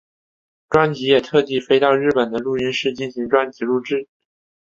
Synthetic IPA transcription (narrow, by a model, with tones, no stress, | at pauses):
ʈ͡ʂwa˥nt͡ɕi˧˥jɛ˨˩t̪ʰɤ˥˧t̪i˥˩˧fe˥ɪt̪ɑ˥˧ʊɻɻ̩˥˩pə˨˩nd̪ə˦lu˥˩i˥nʂɻ̩˥˧t͡ɕi˥˩nɕi˧˥ŋʈ͡ʂwa˥nt͡ɕi˧˥lu˥˧ʈ͡ʂɻ̩˥˩